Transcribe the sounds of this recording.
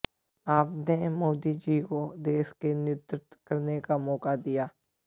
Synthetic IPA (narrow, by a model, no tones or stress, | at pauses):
aːpnemoːd̪id͡ʒikod̪eːskenɪʊt̪ɾɪt̪kɐɾnekamɔːkad̪ijaː